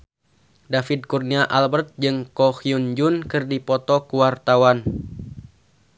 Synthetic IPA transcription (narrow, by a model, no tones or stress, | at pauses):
dafid̪̚kurniaʔalbərt̪̚d͡ʒɨŋkɔhiund͡ʒunkɨrdipɔt̪ɔkuwart̪awan